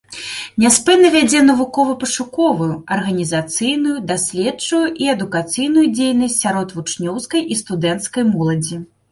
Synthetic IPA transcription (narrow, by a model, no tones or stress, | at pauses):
nʲɛspɛnːɐvʲad͡zʲɛnɐvukɔvɐpɐʂukɔvujuɐrɣɐnʲizat̪sɨjnujud̪asʲlʲɛt͡ʂujuʔiɛd̪ukat̪sɨjnujud͡zʲejnɐsʲtʲsʲaɾɔt̪vut͡ʂnʲɔwskɐjʔist̪ud̪ɛnt̪skɐjmɔlˠɐd͡zʲi